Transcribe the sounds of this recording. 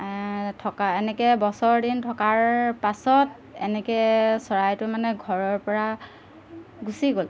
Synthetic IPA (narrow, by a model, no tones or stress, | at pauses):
tʰɔkaɛnɛkɛbɔsɔɹdintʰɔkaɹpasɔt̚ | ɛ̰nɛkɛsɔɹajtʊmanɛɡʱɔɹɔɹpɔɹa | ɡusiɡol